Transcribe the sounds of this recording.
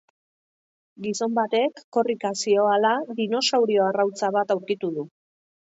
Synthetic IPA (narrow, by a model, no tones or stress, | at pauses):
ɡiso̞mbat̪e̞kːo̞rikasio̞alaðino̞sawɾio̞arawt͡saβ̞at̪awɾkit̪uðu